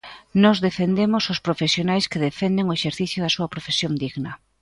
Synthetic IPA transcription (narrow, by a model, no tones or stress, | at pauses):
nɔzðefend̪emʊsʊspɾofesjonajskɪðefend̪eŋoeʃeɾθiθjʊðɐsuɐpɾofesjond̪iɣnɐ